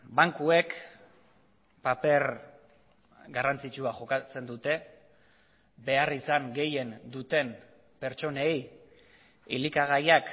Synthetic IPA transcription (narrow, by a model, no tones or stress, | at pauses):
baŋkue̞k | pape̞ɾ | ɡarant͡sit͡ʃuaʝo̞kat͡se̞nd̪ut̪e̞ | be̞arisaŋɡe̞je̞nd̪ut̪e̞n | pe̞ɾt͡ʃo̞nej | ilikaɣ̞ajak